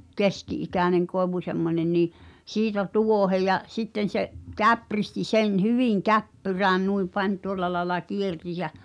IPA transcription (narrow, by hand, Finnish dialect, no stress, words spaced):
keskiʔikæˑneŋ koeʋu semːonʲen niː siːtæ tuohe jɑ sitːen̞ seʔ kæpristi sen hyʋiˑŋ kæpːyræːn nui pɑnʲ tuolˑɑ lɑelɑ kierti jæ̠